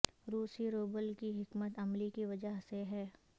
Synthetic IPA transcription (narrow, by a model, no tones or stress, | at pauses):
ɾuːsiɾoːbəlkiɦɪkmət̪ɐmlikiʋɐd͡ʒəɦseɦɛː